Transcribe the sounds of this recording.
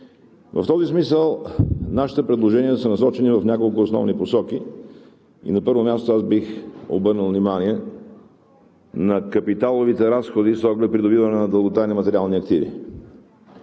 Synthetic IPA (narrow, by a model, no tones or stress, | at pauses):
vəft̪ɔzismisəlˠnaʃi̥t̪ɛpɾɛd̪lˠoʒɛniɛsənɐsɔt͡ʃɛnivɐfnʲakolˠkʊːsnɔ̰vniposɔk̟i | ḭnɐpɤɾvomʲjast̪oasbixo̰bɤɾnəlˠvnimaniɛ | nɐkɐpit̪alˠovit̪ɛɾasxod̪isɔɡlɛpɾid̪obivɐnɛnɐd̪əlˠɡot̪animət̪ɛɾialˠniɐkt̪ivḭ